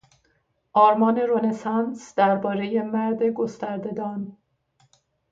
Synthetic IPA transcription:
ʔɒːɾmɒːne̞ɾo̞nesɑnsd̪̥æɾbɒːɾe̞je̞mæɾd̪e̞ɡo̞st̪æɾd̪e̞d̪ɒːn

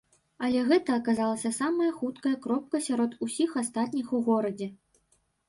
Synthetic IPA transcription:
ɐlʲɛɣɛt̪ɐːkazalˠɐsʲɐsamɐjɐxut̪kɐjɐkɾɔp̚kɐsʲaɾɔt̪usʲixast̪at̪̚ʲnʲixuɣɔɾɐd͡zʲɛ

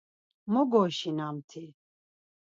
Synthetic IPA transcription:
mɔɡɔʃinamt̪ʰi

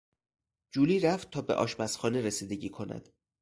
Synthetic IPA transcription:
d͡ʒuːliːɾæft̪̚t̪ʰɒːbe̞̰ʔɒ̰ːʃmæsxɒːneɾesiːd̪e̞ɟiːkʰo̞næ̰d̪̥

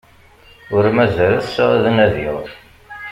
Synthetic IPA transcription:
ʊɾmæzæləθsðənæðið

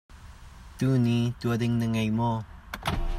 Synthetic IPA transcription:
t̪unit̪uədɪŋnəŋɐjmɔ

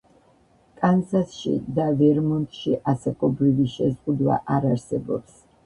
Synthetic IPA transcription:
kʼansasʃḭd̪avɛɾmɔnt̪ʼʃiʔasakʼɔbɾiviʃɛzʁud̪wa̰ʔaɾaɾsɛbɔ̰ps

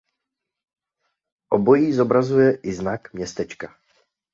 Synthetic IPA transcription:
ʔobo̞jiːzo̞bɾazujɛʔɪznakmɲɛst̪ɛt͡ʃka

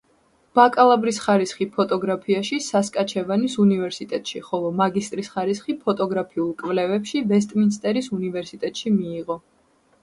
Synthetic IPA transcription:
b̥akʼalˠabɾisχaɾisχipʰɔt̪ʼɔɡɾapʰiaʃisaskʼat͡ʃʰɛvanisunivɛɾsit̪ʼɛt̪ʼʃiχɔlˠɔmaɡist̪ʼɾisχaɾisχipʰɔt̪ʼɔɡɾapʰiulˠkʼvlɛvɛpʃivɛs̬t̪ʼminst̪ʼɛɾisunivɛɾsit̪ʼɛt̪ʼʃimiːʁɔ

